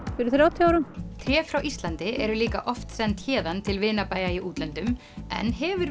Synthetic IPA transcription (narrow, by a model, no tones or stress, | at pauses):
fɪɾʏθɾjawt̪ʰiaːwɾʏmt̪ʰɾjɛːfɾawʔist̪lant̪ɪʔɛɾʏliːka̰ʔɔft̪sɛnt̪çɛːðant̪ʰɪlvɪːnapaːjaiʔuːt̪lɛnt̪ʏm | ɛ̰nɦɛvʏɾ